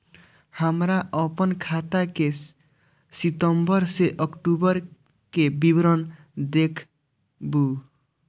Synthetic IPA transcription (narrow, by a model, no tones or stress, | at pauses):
hamɾaʔɔpɔnkʰat̪ake | sit̪ɔmbɔɾseʔɔkʈubɔɾ | kebibɾɔn | d̪ekʰ | bu